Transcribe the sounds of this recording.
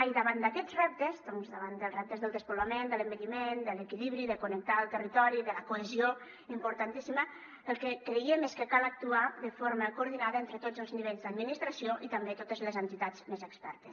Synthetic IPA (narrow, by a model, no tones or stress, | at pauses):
ajðəβand̪akɛd͡zrɛp̚t̪əzd̪ɔnzðəβand̪əlˠzrɛp̚t̪əzðəlˠd̪əspulamend̪ələmbəʎimend̪ələkiliβɾiðəkunək̚t̪aəlˠt̪ərit̪ɔɾiðələkoezio | impuɾt̪ant̪isimə | əlˠkəkɾiemeskəkalək̚t̪uaðəfoɾməkuːɾð̞inaðəent̪ɾət̪ozəlˠzniβeʎzd̪ad̪minist̪ɾasioʔit̪əmbet̪ot̪əzləzənt̪it̪azmezəkspɛɾt̪əs